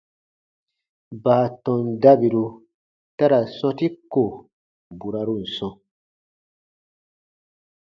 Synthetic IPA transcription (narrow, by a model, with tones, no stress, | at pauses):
ba˨a˨tɔ̃˨nda˦bi˨ɾu˧ | ta˦ɾa˨sɔ̃˦ti˦ko˨ | bu˨ɾa˧ɾu˦n̩˨sɔ̃˧